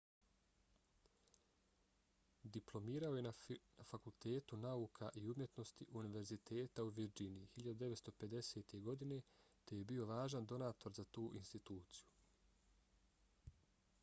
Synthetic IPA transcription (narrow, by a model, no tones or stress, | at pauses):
d̪iplˠo̞miːɾaoje̞nanafakulˠt̪e̞ːt̪unauːkʰaʔiumje̞t̪no̞st̪iʔuniʋe̞ɾzit̪ʰe̞ːt̪auʋiɾd͡ʒinijihiʎad̪ud̪e̞ʋet̪st̪o̞pe̞d̪e̞seːt̪e̞ɡo̞d̪ine̞t̪e̞je̞bio̞ʋaːʒand̪o̞naːt̪o̞ɾzat̪uːʔinst̪it̪uːt̪siju